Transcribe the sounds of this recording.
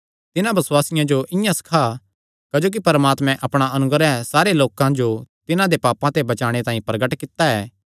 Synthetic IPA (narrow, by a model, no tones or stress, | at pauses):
t̪ɪnãbɐswaːsɪjãd͡ʒoʔɪjãsɐ̥kʰa | kɐd͡ʒoːk̬ipɐɾmaːt̪mɛ̃ʔɐpɽ̃aɐnʊɡəɾɛ̃saːɾeloːkãd͡ʒot̪ɪnãd̪epaːpãt̪ebɐt͡ʃaːɽ̃et̪ãːĩpɾɐɡəʈkɪt̪ːaɛː